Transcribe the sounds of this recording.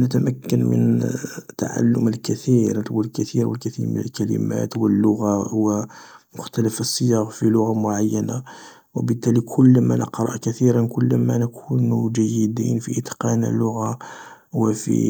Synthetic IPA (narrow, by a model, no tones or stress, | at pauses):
nət̪æmækːənmə̰nt̪a̰ʕa̰lːʊməlkæt̪iɾt̪wəlkæt̪iɾwəlkæθiɾmə̰nə̰lkælə̰mæ̰t̪wəlːʊɣawəmʊxt̪æləfəsˤːəjɑɣfilʊɣamʊʕajːæna | wəbət̪ːælikʰʊlːmænʔə̰qɾˤɑ̰ʔkæt̪iɾənkʊlːmænəkʰunud͡ʒæjːəd̪infiʔət̪qɑnæ̰lːʊɣawəfḭ